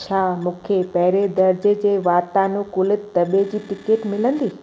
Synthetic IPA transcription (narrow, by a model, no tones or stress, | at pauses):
t͡ɕʰaːmũːkʰepɐɦɪɾed̪ɐɾd͡ʑə̆d͡ʑeːʋaːt̪anũkʊlɪt̪t̪ɐɓed͡ʑiːʈɪkeːʈmɪlə̃nd̪iː